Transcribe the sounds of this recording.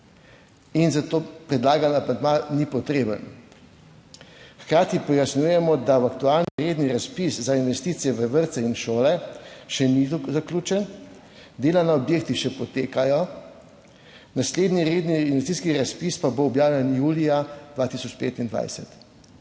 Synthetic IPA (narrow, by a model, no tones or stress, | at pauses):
inzat̪oːpɾɛd̪laːɡanamand̪manipɔt̪ɾeːbən | xkɾaːt̪ipɔjasnjujɛmɔd̪awakt̪ualniɾeːd̪niɾaspiszainʋɛst̪it̪sijɛʋəʋəɾt̪sɛinʃoːlɛʃɛnizakluːt͡ʃɛn | d̪eːlanaɔbjeːk̚t̪iʃɛpɔt̪eːkajɔ | nasleːd̪niɾed̪niːnʋɛst̪iːskiɾaspispaboːɔbjaːwlʲɛnjuːliad̪ʋaːt̪isɔt͡ʃpḛːt̪ind̪ʋa̰jsɛt̪